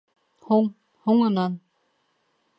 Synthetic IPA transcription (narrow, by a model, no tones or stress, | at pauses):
hoŋ | hoŋɤ̆nɑn